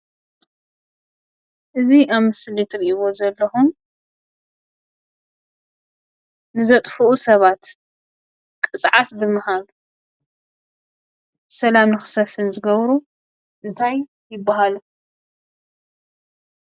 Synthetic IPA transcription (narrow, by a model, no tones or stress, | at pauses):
ʔɨziaβmɨslit̪ɾiʔiβo̞zɐlːɐxum | nɨzɐt̪ʼfuʔusɐβat̪ | kʼɨt͡sʼʕat̪bɨmːɨhalu | sɐlamnɨxɨ̥sɐfɨnzɨɡɐβɾu | ʔɨnt̪ʰaj | jːɪbːaɦalu